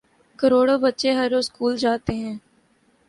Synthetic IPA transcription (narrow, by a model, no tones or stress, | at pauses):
kəɾoːɽoːbətːʃeɦɐɾːoːzskuːld͡ʒaːt̪eɦɛ̃ː